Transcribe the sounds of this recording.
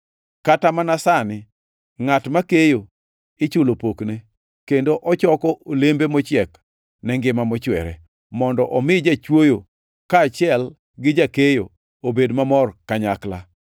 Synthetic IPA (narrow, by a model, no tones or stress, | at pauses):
katamanasanɪ | ŋatmakejo | ɪt͡ʃʊlopokne | kendoʔɔt͡ʃɔkɔolembemɔt͡ʃɪɛk | nɛŋɡɪmamɔt͡ʃwɛ̰ɾɛ̰ | mɔndɔʔɔmɪd͡ʒat͡ʃwojo | kaːt͡ʃɪɛl | ɡɪd͡ʒakejo | obedmamɔrkaɲakla